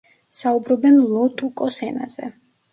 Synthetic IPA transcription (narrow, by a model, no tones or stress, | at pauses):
saubɾɔbɛnlˠɔt̪ʼukʼɔsɛna̰z̥ɛ̰